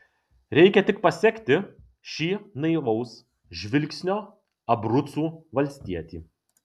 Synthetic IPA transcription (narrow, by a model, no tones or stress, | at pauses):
ɾʲɛɪkʲɛt̪ʲɪk̚pɐsʲɛkʲt̪ʲɪ | ʃʲiːnɐɪʋɐʊs | ʒʲʋʲɪlʲksʲnʲoː | ɐbɾʊt̪suːʋɐlʲsʲt̪ʲiɛt̪ʲiː